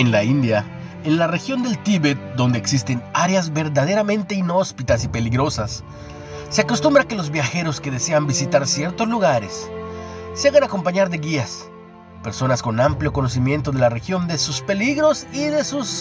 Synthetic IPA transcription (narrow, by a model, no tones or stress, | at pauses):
enlaind̪ja | enlare̞xjo̞nd̪e̞lt̪iβet̪̚d̪ond̪eːksist̪enaɾeazβe̞ɾðaðe̞ɾamẽ̞nt̪e̞ino̞spit̪as̬ipe̞liɣɾo̞sasː | e̞akost̪umbɾake̞lo̞zβjaxe̞ɾo̞ske̞ðe̞se̞ambisit̪aɾsje̞ɾt̪o̞zluɣaɾesː | eaɣanako̞mpaɲaɾðe̞ɣias | pe̞ɾso̞nasko̞nampljo̞ko̞no̞simje̞nt̪o̞ðe̞lare̞xjo̞nd̪e̞suspe̞liɣɾo̞siðe̞sus